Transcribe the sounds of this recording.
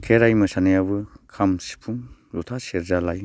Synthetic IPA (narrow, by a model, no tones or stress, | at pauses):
kʰeɾajmɯsanɯjaβɯkʰamsi̥pʰuŋzutʰaseɾzalaj